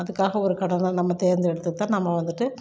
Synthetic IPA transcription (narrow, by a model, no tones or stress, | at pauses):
ɐðɯkːaːɣɐɔɾɯkɐɽɐnɐnɐmːɐt̪eːɾnd̪ɯɛɽɯt̪ːɯt̪ːãːnɐmːɐʋɐnd̪ɯʈːɯ